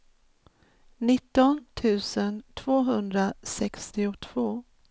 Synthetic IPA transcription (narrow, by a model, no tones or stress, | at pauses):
nɪt̪ːɔnt̪ʰʉ̟ːsənt̪ʰv̥oːɦɵnd̪ɾasɛkst̪ɪʊt̪ʰv̥oː